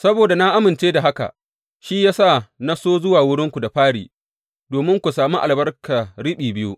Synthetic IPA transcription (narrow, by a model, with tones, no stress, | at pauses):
sɐ˦boː˨da˨na˦ʔa˦mɪ˨nt͡ʃeː˦da˨ɦa˦ka̰˨ | ʃi˦jaː˦sa˦˨na˦soː˦zʊ˦waː˨wʊ˦ɽɪ˦ŋkʷu˨da˨ɸaː˦ɽḭː˨ | doː˨mɪ˦ŋkʷu˨saː˨mu˦ʔa˨lbɐ˦rka˨ɽɪ˦ɓiː˨bɪ˦jṵ˦